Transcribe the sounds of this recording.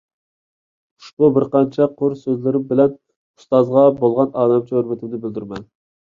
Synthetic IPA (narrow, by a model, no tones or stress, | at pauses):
ʊ̥ʃpubɪɾqɑnt͡ʃʰɛqʰʊɾsøzlɪɾɪmbɪlɛn | u̥st̪ɑzʁɑbolˠʁɑnɑːd̪ɑmt͡ʃʰøɾmɪt̪ʰɪbd̪ɪbɪld̪yɾmɛn